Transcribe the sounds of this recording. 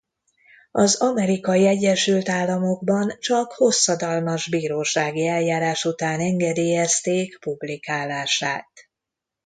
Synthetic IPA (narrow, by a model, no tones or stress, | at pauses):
ɒzɒmɛɾikɒjiɛɟːɛʃylt̪aːlːɒmo̞ɡbɒnt͡ʃɒkho̞sːɒd̪ɒlmɒʒbiːɾoːʃaːɡiɛljaːɾaːʃut̪aːnɛŋɡɛd̪eːjɛst̪eːkpublikaːlaːʃaːt̪